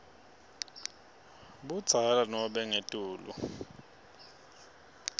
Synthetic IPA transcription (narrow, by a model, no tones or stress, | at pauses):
ɓud̥z̥ʱalanɔɓɛŋetʼuːlṵ